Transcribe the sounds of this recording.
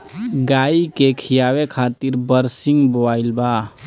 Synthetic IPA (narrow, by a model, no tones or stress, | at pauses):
ɡaːikekʰijaːwekʰaːt̪iɾbəɾsɪŋɡbobaːɪlbaː